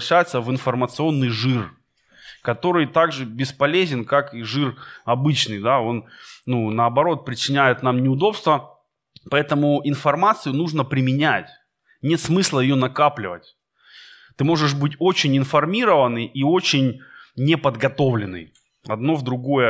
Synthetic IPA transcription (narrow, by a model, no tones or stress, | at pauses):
ɕæjɪt̪səvɨnfɐrmət̪sɨo̞nːɨjʐɨr | kɐt̪o̞ɾɨjt̪aɡʐɨbʲɪspɐlʲezʲɪnkakiʐɨrɐbɨt͡ɕnɨjd̪ao̞nnːunəːbɐɾo̞t̪̚pɾʲɪt͡ɕɪnʲæjɪt̪namnʲɪʊd̪o̞pst̪və | pɐɛt̪əmʊɪnfɐrmat̪sɨjʊnuʐnəpɾʲɪmʲɪnʲætʲ | nʲe̞t̪smɨslˠəjɪjo̞nɐkaplʲɪvə̰tʲ | t̪ɨmo̞ʐɨʂ̬bɨtʲo̞t͡ɕɪnʲɪnfɐrmʲiɾəvənːɨjʔio̞t͡ɕɪnʲnʲɪpəd̪ɡɐt̪o̞vlʲɪnːɨ̰j | ɐ̰d̪no̞vd̪ɾʊɡo̞jə